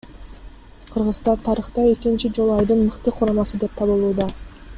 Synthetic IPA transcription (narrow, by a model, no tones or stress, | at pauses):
qʰɯɾʁɯzt̪ɑt̪ʰɑɾɯχt̪ɑe̞kint͡ʃid͡ʒo̞lˠuɑjd̪ɯnmɯqt̪ɯqʰuɾɑmɑsɯd̪e̞p̚t̪ʰɑβɯlˠuːd̪ɑ